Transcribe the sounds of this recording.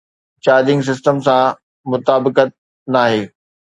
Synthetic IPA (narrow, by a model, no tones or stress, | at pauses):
t͡ɕaːɾd̪ɪ̃ŋɡs̬ɪsʈəmsã | mʊt̪aːbɪkət̪̚ | naːɦeː